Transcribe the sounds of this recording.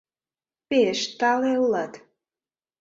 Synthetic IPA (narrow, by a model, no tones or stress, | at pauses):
peʃt̪ɑleulɑt̪